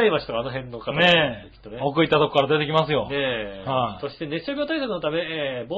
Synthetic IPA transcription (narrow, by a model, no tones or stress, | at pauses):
imaɕi̥t̪okano̞ɦẽ̞nːo̞kat̪neekʲi̥t̪ːoneokɯit̪ːat̪okokaɾad̪e̞t̪e̞kʲimasɨjo̞nehaso̞ɕi̥t̪ene̞ɕoɡʲoːt̪aisakɯno̞t̪ame̞ebo